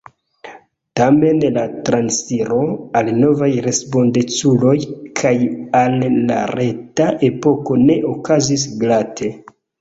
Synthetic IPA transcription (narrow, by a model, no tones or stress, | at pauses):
tame̞nlatɾansiɾo̞alno̞vajɾe̞spo̞ndet͡sulo̞jkʰajalːa̰ɾe̞taʔe̞po̞ko̞ne̞ʔokazis̬ɡlatʰe̞